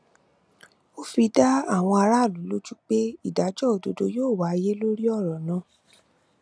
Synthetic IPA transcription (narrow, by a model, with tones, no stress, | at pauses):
o˦fi˧da˦a˦˨w̃ɔ̃˧a˧ɾa˦˨lu˨˦lo˦d͡ʒu˦k͡pe˦i˦˨da˨˦d͡ʒɔ˦o˨do˧do˧joː˦˨wa˨˦˧je˦lo˦ɾi˦ɔ˦˨ɾɔ˨nã˨˦